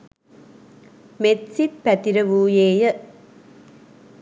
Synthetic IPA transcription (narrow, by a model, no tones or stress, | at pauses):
met̪sitpæt̪iɾɐʋuːjeːjə